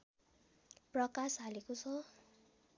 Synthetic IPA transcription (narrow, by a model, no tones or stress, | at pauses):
prʌkasɦalekot͡sʰʌ